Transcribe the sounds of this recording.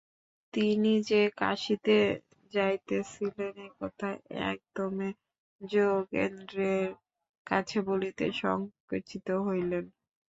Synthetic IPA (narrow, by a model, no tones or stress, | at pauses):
t̪inid͡ʑeka̰ʃit̪e | d͡ʑajt̪et͡ɕʰilenekɔt̪ʰaɛ̰k̚d̪ɔme | d͡ʑoɡḛnd̪ɾeɾ | kat͡ɕʰebolit̪ḛʃɔ̰ŋket͡ʃit̪oɦojlen